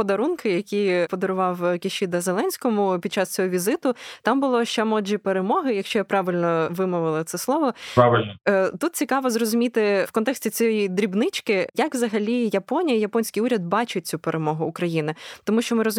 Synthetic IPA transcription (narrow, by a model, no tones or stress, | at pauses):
pɔd̪ɐɾunkɪjɐkʲipɔd̪ɔɾʊʋɑwkʲiʃid̪ɐzelˠɛnʲsʲkɔmʊpʲid̪̚t͡ʃɑst͡sʲɔɦɔʋʲizɪt̪ʊt̪ɑmbʊlˠɔʃt͡ʃɛmɔʒipeɾemɔɦɪjɐkʃt͡ʃɔjapɾɑʋʲɪlʲnɔʋɪmʊʋɪlˠɐt̪sɛslˠɔʋɔpaʋɪlʲnɔt̪ut̪̚t͡sʲikɑʋɔzrɔzʊmʲit̪ɪwkɔnt̪ɛksʲtʲit͡sʲjɛjid̪ɾʲibnɪt͡ʃkɪjɐkʋzɐɦɐlʲijɐpɔnʲijɐjɐpɔnʲsʲkijuɾʲɐd̪̚bɑt͡ʃʊt̚ʲt͡sʲupeɾʔemɔɦʊːkɾɐjinɪt̪ɔmuʃt͡ʃɔmɪɾɔz